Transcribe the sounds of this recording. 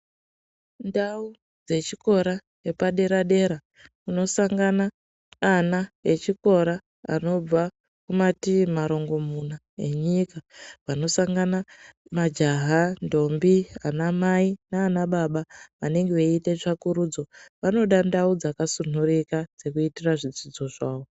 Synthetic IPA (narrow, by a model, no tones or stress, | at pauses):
ndau | d͡ze̞t͡ʃiko̞ɾa | epaɗe̞ɾaɗe̞ɾa | uno̞saŋɡanaː | nae̞t͡ʃiko̞ɾa | a̰no̞b͡va | kumatimaɾo̞ŋɡo̞mun̤a | e̞ɲikaʋano̞saŋɡanamad͡ʒaɦando̞mbianamainaːnaɓaɓaʋane̞ŋɡeʋeite̞ʐakuɾud͡zo̞ʋano̞ɗandaud͡zakasun̤urikad͡ze̞kuitiraʐid͡zid͡zo̞ʐaːwo̞